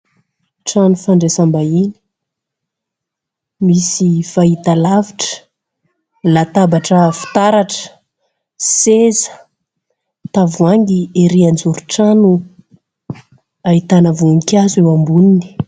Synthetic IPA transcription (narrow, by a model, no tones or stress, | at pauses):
ʈ͡ʂanufaɳɖ͡ʐesambaini̥ | misifait̪alaviʈ͡ʂə̥ | lat̪abaʈ͡ʂəfi̥t̪aɾaʈ͡ʂə̥ | sezə̥ | t̪avuaŋɡieɾiand͡zuɾuʈ͡ʂanu | ait̪anəvuŋkʲazewambunini̥